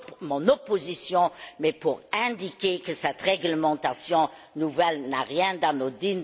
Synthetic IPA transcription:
mɔ̃nopozisjɔ̃mɛpuʁɛ̃d̪ikekəsɛt̪ʁɛɡləmɑ̃t̪asjɔ̃ | nuvɛlnaʁjɛ̃d̪ãnod̪in

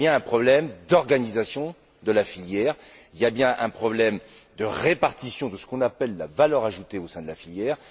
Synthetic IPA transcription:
jɛ̃ɛ̃pχɔblɛmd̪ɔʁɡanizasjɔ̃ | d̪əlafiljɛːʁiljabjɛ̃ʔɛ̰̃pχɔblɛmd̪əʁepaʁt̪isjɔ̃d̪əsə̥kɔ̃napɛlːavalœʁaʒut̪eosɛ̃d̪əlafiljɛːʁ

